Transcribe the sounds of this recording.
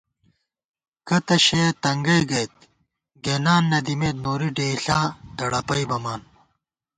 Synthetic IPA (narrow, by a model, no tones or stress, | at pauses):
kɐt̪ɐɕejt̪ɐŋɡɐjɡɐjt̪̚ | ɡeːnaːnːɐd̪imeːt̪̚moːɾiɖeːɬaːd̪ɐɽɐpɐjbɐmaːn